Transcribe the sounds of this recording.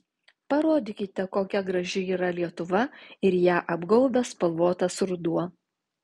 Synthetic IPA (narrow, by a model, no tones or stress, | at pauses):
pɐɾoːd̪ʲɪkʲɪt̪ʲɛkoːkʲɛɡɾɐʒʲɪiːɾɐlʲiɛt̪ʊʋɐɪɾjæːʔɐbɡɐʊbʲɛspɐlˠʋoːt̪ɐsɾʊd̪uɔ